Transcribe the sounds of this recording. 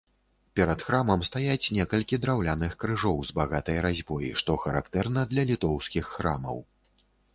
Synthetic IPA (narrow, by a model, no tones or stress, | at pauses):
pʲɛɾɐt̪xɾamɐmst̪ajat͡sʲnʲɛkɐlʲkʲid̪ɾawlʲanɨxkɾɨʐɔwzbaɣat̪ɐjɾazʲbɔjḭʂt̪ɔxɐɾa̰kt̪ɛrnɐd̪lʲɐlʲit̪ɔwskʲixːɾamɐ̰w